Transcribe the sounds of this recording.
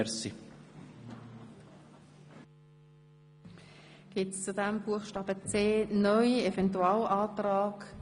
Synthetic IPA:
si | ɡ̥ɪtst͡sudæmbuəχʃtɑːb̥ət͡seːnœʏiɛvɛntuɑːlɑːtrɑːk

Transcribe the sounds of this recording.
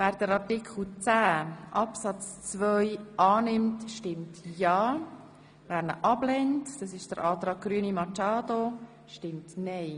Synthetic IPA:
væːɾd̥əɾɑrtɪkʰl̩t͡sæːʔɑpsɑt͡st͡svœʏʔɑːnɪmtʃtɪmtjɑː | væːɾnə̰ʔɑblɛntd̥ɑsɪʃd̥əɾʔɑːtɾɑːɡ̥̚ɡ̥ɾyːənimɑt͡ʃɑːdo | ʃtɪmtnɛɪ

